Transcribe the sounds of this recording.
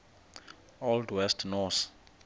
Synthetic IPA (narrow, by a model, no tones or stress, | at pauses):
ɔldwɛstʰnɔθ